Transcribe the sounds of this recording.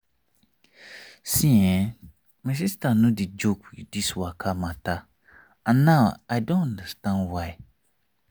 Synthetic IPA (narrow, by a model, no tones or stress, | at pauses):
sĩɛ̃ | mas̬istanũdid͡ʒokd̥iswakʰamãta | ãnːaʊajdõnãndəstãndwaɪ